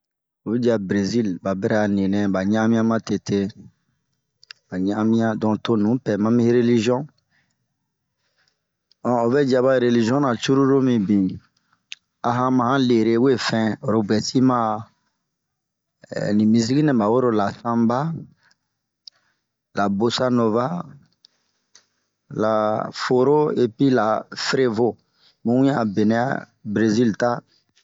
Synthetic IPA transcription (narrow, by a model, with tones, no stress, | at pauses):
o˨bɛ˦d͡ʒi˦a˨bɾe˨zi˦lba˨bɛ˦ɾɛ˦a˨nĩ˨nɛ̃˨ba˨ɲɛ̃˦ã˦mĩ˦ã˦mã˦te˨tʰe˦ | ba˨ɲɛ̃˦ã˦mĩ˦ã˦dɔ̃˨to˦nũ˨˦pɛ˨mã˦mĩ˦ɾe˦li˦ʒi˦ɔ̃˦ | ɔ̃˨o˨bɛ˦d͡ʒa˨ba˦˨ɾe˨li˨ʒi˦ɔ̃˦nã˨t͡ʃu˦ɾu˦ɾo˦mĩ˨bĩ˨ | a˨ɦã˦mã˨hã˦le˨ɾe˦we˦˨fɛ̃˦o˨ɾo˦bɛ˨si˦mã˦ | nĩ˨mĩ˨s̬i˦ɡi˦nɛ̃˨ba˨wo˦ɾo˦la˨sã˦mba˦ | la˨bo˨sa˦no˨va˦ | la˨fo˨ɾo˦e˨pi˦la˨fɾe˦vo˦ | mũ˦ũ˦jã˦˨be˨nɛ̃˨ja̰˦ | bɾe˨zi˦lta˦